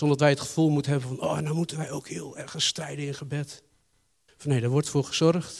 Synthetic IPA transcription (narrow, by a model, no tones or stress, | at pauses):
sɔndɔtʋɛjətχə̥fulˠmutənɦɛbənfɔnoːɛnawmutənʋɛjowkhiəlˠɛrɣənstrɛjdənɪnχəbɛt | fɔnhejdəʋɔɹtfʊːɹχəz̥ɔrχt